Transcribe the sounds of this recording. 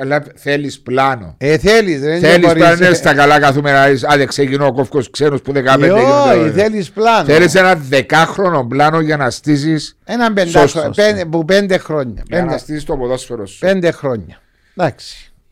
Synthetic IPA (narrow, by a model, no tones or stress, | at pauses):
elːɐθelisplɐno̰eθeliseelissɾlannest̪ɐkɐlɐkɐθumenaisɐðeksecinoːkofkosksenuspuðekɐpeoiθelisplɐnθelis̬enɐðekɐxɾonomblɐnoʝɐnɐst̪is̬isenɐmbend̪osspepupend̪exɾoɲːɐ̰eɐndnɐst̪isist̪opoðosfoɾosu̥pend̪exɾoɲːɐ | d̪ɐksi̥